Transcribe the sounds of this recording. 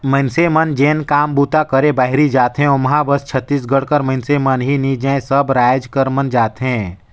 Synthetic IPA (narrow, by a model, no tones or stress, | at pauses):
mə̃ɪnsemənd͡ʒẽːnkaːmbuːt̪akəɾẽbaːɦɾid͡ʒaːt̪ɦɛ̃ɔːmɐɦãbəst͡ʃʰət̪ːiːs̬ɡəɽkəɾmə̃ɪnsemənɦinid͡ʒɛ̃səbɾaːjd͡ʒkəɾmənd͡ʒaːt̪ɦɛ̃ː